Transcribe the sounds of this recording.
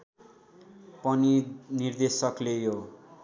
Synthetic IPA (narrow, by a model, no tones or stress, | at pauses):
pʌninird̪esʌklejo